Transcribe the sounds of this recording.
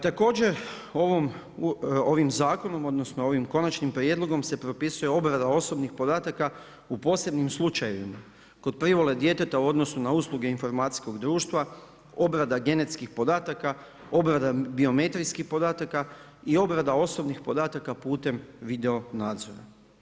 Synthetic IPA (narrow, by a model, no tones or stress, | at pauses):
t̪ako̞ːd͡ʑe̞ɾ | oʋom | o̞ʋimzaːko̞no̞mo̞d̪nosnoo̞ʋimko̞nat͡ʃnimpɾje̞d̪lˠo̞ɡo̞mse̞pɾo̞pisuje̞o̞bɾad̪ao̞so̞bnixpo̞d̪aːt̪aka | upo̞ːse̞bnimslˠut͡ʃaje̞ʋḭma | ko̞d̪̚pɾiʋo̞le̞d̪je̞t̪e̞t̪auo̞d̪no̞sunauslˠuɡeinfo̞ɾmaːt̪i̥sko̞ɡd̪ɾuːʃt̪ʋa | o̞bɾad̪aɡe̞ne̞t̪skixpo̞d̪aːt̪aka | o̞bɾad̪abio̞me̞t̪ɾijskixpo̞d̪aːt̪aka | io̞bɾad̪ao̞so̞bnixpo̞d̪aːt̪akapuːt̪e̞mʋid̪e̞o̞naːd̪zo̞ɾa